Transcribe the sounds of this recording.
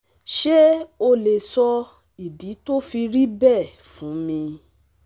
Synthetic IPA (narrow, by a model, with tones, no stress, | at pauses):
ʃe˦o˧le˨sɔ˧ | i˨di˨˦to˦fi˧ɾi˦bɛ˦˨fũ˨˦mĩ˧